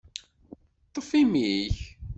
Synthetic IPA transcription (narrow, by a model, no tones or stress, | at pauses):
t̪ˤːəfimiç